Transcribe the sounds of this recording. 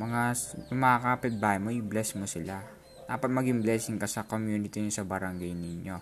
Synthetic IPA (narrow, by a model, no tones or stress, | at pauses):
mɐŋajʊmaːkapɪt̪̚baːjɪmojʊblɛsmosɪla | d̪aːpɐt̪̚mɐɡiŋblɛːsɪŋkɐsɐko̞mjuːnɪt̪insɐbɐɾɐŋɡajnɪɲo̞